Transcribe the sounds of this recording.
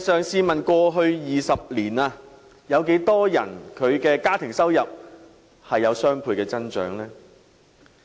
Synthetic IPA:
sœː˨˩ŋsiː˧mɐ˨nkʷɔː˧ɦɵ˧ɥjiː˨sɐ˨p̚liː˨˩naː˧ | jɐ˨˧wke˨˥jt̪ɔː˥jɐ̰˨˩nkʰɵ˨˧ɥkɛː˧kaː˥t̪ʰɪ˨˩ŋsɐ˥wjɐ˨p̚ | hɐ˨jːɐ˨˧wsœː˥ŋpʰuː˧jkɛː˧t͡sɐ˥nt͡ʃœ̰ː˨˥ŋlɛː˥

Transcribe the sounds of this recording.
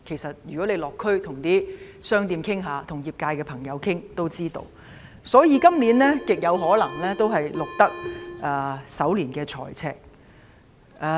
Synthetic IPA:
kʰe˨˩jsɐ˨t̚jyː˨kɔ˨˥le˨˧jlɔː˨kʰːɵ˥ɥt̪ʰʊ˨˩ŋt̪iː˥sœː˥ŋt̪iː˧mkʰɪ˥ŋɦaː˨˧t̪ʰʊ˨˩ŋjiː˨˩p̚kaː˧jkɛː˧pʰɐ˨˩ŋjɐ˨˧wkʰɪ˥ŋt̪o˥wt͡siː˥t̪o̰˧w | sɔː˨˥jiː˨˧kɐ˥mliː˨˥nlɛː˥kɪ˨k̚jɐ˨˧wɦɔː˨˥lɐ˨˩ŋlɛː˥t̪o˥wɦɐ˨jlʊ˨k̚t̪ɐ˥k̚ʔɛː˨˧sɐ˨˥wliː˨˩nkɛː˧t͡sʰɔ̰ː˨˩jt͡sʰɛ̰ː˨k̚ | ʔɛː˧

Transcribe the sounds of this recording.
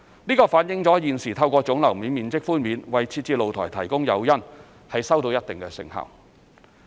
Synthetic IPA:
niː˥kɔː˧faː˨˥njɪ˨˧ŋt͡sɔː˨˥jiː˨nsiː˨˩t̪ʰɐ˧wkʷɔː˧t͡sʊ˨˥ŋlɐ˨˩wmiː˨˧˥nmiː˨˧nt͡sɪ˥k̚fuː˥nmiː˨˧nwɐ˨jt͡sʰiː˧t̚t͡siː˧lo˨wt̪ʰɔː˨˩jt̪ʰɐ˨˩jkʊ˥ŋjɐ˨˧wjɐ˥n | hɐ˨jsɐ˥wt̪o˧wjɐ˥t̚t̪ɪ˨ŋkɛ˧sɪ̰˨˧ŋhɐ̰˨˩w

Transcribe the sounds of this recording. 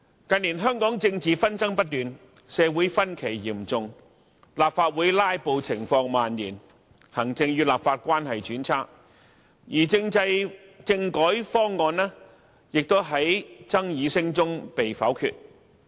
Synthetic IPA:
kɐ˧niː˨˩nɦœː˥ŋkɔː˨˥ŋt͡sɪ˧ŋt͡siː˨fɐ˥nt͡sɐ˥ŋpɐ˥t̚t̪yː˨n | sɛː˨˧wuː˨˥jfɐ˥nkʰe˨˩jjiː˨˩mt͡sʊ˨˧ŋ | laː˨p̚faː˧t̚wuː˨˥jlaː˥jpo˧wt͡sʰɪ˨˩ŋfɔː˧ŋmaː˨njiː˨˩n | hɐ˨˩ŋt͡sɪ˧ŋjyː˧laː˨p̚faː˧t̚kʷaː˥nɦɐ˨jt͡ʃyː˨˥nt͡sʰaː˥k̚ | jiː˨˩t͡sɪ˧ŋt͡sɐ˧jt͡sɪ˧ŋkɔː˨˥jfɔː˥ŋːɔː˧nɛː˥ | jɪ˨k̚t̪o˥wɦɐ˨˥jt͡sɐ˥ŋjiː˨˧sɪ˥ŋt͡sʊ˥ŋpe˨jfɐ̰˨˥wkʰy̰ː˧t̚

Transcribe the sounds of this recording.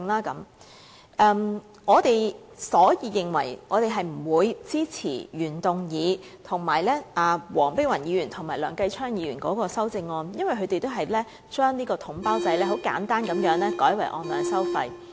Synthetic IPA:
ŋlaː˥kɐ˨˥m | ʔɛː˧m | ŋɔː˨˧t̪e˨j | sɔː˨˥jiː˨˧jɪ˨ŋwɐ̰˨˩jŋɔː˨˧t̪e˨jɦɐ˨jm̩˨˩wuː˨˧jt͡siː˥t͡sʰḭː˨˩jyː˨˩nt̪ʊ˨˩ŋjiː˨˧˥t̪ʰʊ˨˩ŋmaː˨˩jlɛː˥ʔaː˨˩wɔː˨˩ŋpe˥wɐ˨˩njiː˨˧jyː˨˩nt̪ʰʊ˨˩ŋmaː˨˩jlœː˨˩ŋkɐ˧jt͡ʃʰœː˥ŋjiː˨˧ɥyː˨˩nkɔ̰ː˨˥kɔː˧sɐ˥wt͡sɪ˧ŋːɔː˧njɐ˥nwɐ˨jɦɵ˨˧ɥt̪e˨jt̪o˥wɦɐ˨jlɛː˥ | t͡ʃœː˥ŋniː˥kɔː˧t̪ʰʊ˨˥ŋpaː˥wt͡sɐ˧jlɛː˥ɦo˨˥wka̰ː˨˥nt̪aː˥nkɐ˨˧mjœː˨˥ŋlɛː˥kɔː˨˥jwɐ˨˩jʔɔ̰ː˧nlœː˨˩ŋsɐ˥wfɐ˧j

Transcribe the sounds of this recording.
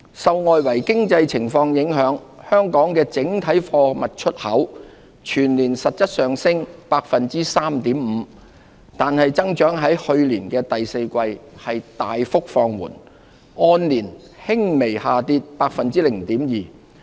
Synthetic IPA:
sɐ˨wŋɔː˨jwɐ˨˩jkɪ˥ŋt͡sɐ˧jt͡sʰɪ˨˩ŋfɔː˧ŋjɪ˨˥ŋɦœː˨˥ŋhœː˥ŋkɔː˨˥ŋkɛː˧t͡sɪ˨˥ŋt̪ʰɐ˨˥jfɔː˧mɐ˨t̚t͡ʃʰɵ˥t̚hɐ˨˥w | t͡ʃʰyː˨˩nliː˨˩nsɐ˨t̚sɐ˥t̚sœː˨ŋsɪ˥ŋpaː˧k̚fɐ˨nt͡siː˥saː˥mt̪iː˨˥mm̩ː˨˧˦ | t̪aː˨nhɐ˨jt͡sɐ˥ŋt͡ʃœː˨˥ŋɦɐ˨˥jhɵ˧ɥliː˨˩nkɛː˧t̪ɐ˨jse˧jkʷɐ˧jhɐ˨jt̪aː˨jfʊ˥k̚fɔː˧ŋwṵː˨˩n | ɔː˧nliː˨˩n | hɪ˥ŋme˨˩jhaː˨t̪iː˧t̚paː˧k̚fɐ˨nt͡siː˥lɪ˨˩ŋt̪iː˨˥mjiː˨

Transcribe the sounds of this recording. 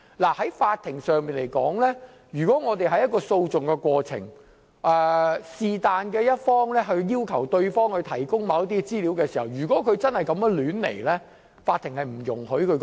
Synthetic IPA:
laː˨˩hɐ˨˥jfaː˧t̪ʰːɪ˨˩ŋsœː˨ŋmiː˨nle˨˩jkɔː˨˥ŋlɛː˥ | jyː˨˩kɔː˨˥ŋɔː˨˧t̪e˨jɦɐ˨jɐ˥tkɔː˧so˧wt͡sʊ˨ŋkɛː˧kʷɔː˧t͡sʰɪ̰˨˩ŋ | ʔɛː˨˧siː˨t̪aː˨nkɛː˧jɐ˥t̚fɔː˥ŋlɛː˥ɦɵ˧ɥjiː˥wkʰɐ˨˩wt̪ɵ˧ɥfɔː˥ŋhɵ˧jt̪ʰɐ˨˩jkʊ˥ŋmɐ˨˧wjɐ˥t̪i˥t͡siː˥liː˨˥wkɛː˧si˨˩hɐ˨wjyː˨˩kɔː˨˥kʰɵ˨˧t͡sɐ˥nhɐ˨jkɐ˧mɛ˥lyː˨˥nlḛ˨˩jlɛː˥ | faː˧t̪ʰːɪ˨˩ŋhɐ˨jm̩˨˩jʊ̰˨˩ŋɦɵ˨˥kʰɵ˨˧k

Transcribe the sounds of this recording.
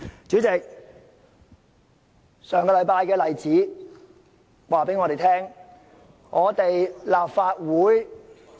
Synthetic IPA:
t͡syː˨˥t͡sɪ˨k̚ | sœː˨ŋkɔː˧lɐ˨˧˥jpaː˧jkɛː˧lɐ˨jt͡siː˨˥ | waː˨˩pe˨˥jŋɔː˨˧ɾe˨jt̪ʰɛː˥ŋ | ŋɔː˨˧t̪e˨jlaː˨p̚faː˧t̚wuː˨˥j

